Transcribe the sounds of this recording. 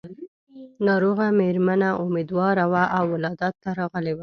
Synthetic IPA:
nɑɾoɣameɾmanaʔʊmed̪wɑɾawaʔawːɪlɑd̪ɑt̪ːaɾɑɣəlewa

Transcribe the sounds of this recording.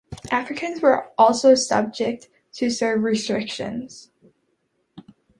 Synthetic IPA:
ʔæfɹɨkʰɨ̃nzwə˞ʔɔlˠsoʊsʌ̰b̚d͡ʒɪk̚t | tʰɨsɜ˞vɹɪstɹ̥ɪkʃɨ̰̃nz̥

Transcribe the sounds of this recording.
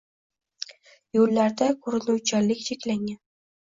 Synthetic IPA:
jɵlːaɾd̪akʰɵɾɪnuwt͡ʃʰalɪkʲt͡ʃʰekʲlaŋʲan

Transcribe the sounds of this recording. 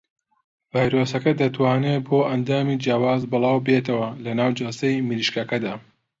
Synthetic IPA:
vaːjɾoːsɐkɐd̪ɐt̪waːneːboːʔɐnd̪aːmiːd͡ʒjaːwaːzbɨlˠaːwbet̪ɐwɐlɐnaːwd͡ʒasɐjmɨliʃkɐkɐd̪aː

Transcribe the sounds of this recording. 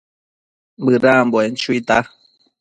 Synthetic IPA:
bɨɾamboent͡ʃuit̪a

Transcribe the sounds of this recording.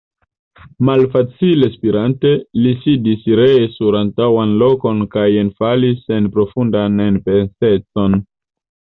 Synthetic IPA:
malfat͡sile̞spiɾante̞lisidisɾesuɾantawanlo̞ko̞nkajenfalise̞npɾo̞fundanenpe̞nse̞t͡so̞n

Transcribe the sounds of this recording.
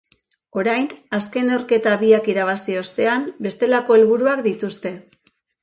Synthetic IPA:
o̞ɾajnaske̞nawɾke̞t̪aβiakiɾaβ̞asio̞st̪e̞ambe̞st̪e̞lako̞elβuɾuakd̪it̪ust̪e̞

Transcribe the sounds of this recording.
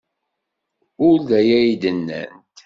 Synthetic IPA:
ʊɾðæjæjid̪ənːə̰nt̪

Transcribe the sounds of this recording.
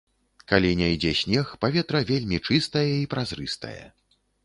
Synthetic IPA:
kalʲinʲajd͡zʲɛsʲnʲɛxpavʲɛt̪ɾɐvʲelʲmʲit͡ʂɨst̪ɐjɛipɾazɾɨst̪ɐ̰jɛ̰

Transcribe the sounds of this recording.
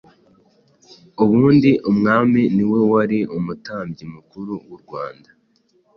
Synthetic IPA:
uβuːndiʔumŋaːminiwe̞waɾiumutaːmbɟimukuɾuwuɾɡwaːnda

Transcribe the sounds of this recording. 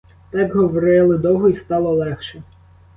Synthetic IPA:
t̪ɑkɦɔʋɔɾɪlˠɪd̪ɔɦɔist̪ɑlˠɔlˠɛxʃɛ

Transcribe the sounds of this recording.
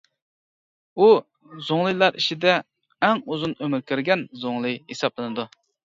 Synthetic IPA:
u | zoŋlˠɨjlˠɑɾiʃid̪ɛː | ŋuzunømyɾkʲʰøɾɡʲɛnzoŋlˠɨjhesɑplˠɨnɨd̪u

